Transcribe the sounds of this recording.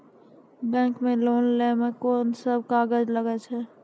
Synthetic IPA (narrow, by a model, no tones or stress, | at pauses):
bɛ̃ːŋkmẽloːnlɛːməkoːnsəb̚kaːɡəd͡ʒləɡət͡ʃʰɦɛː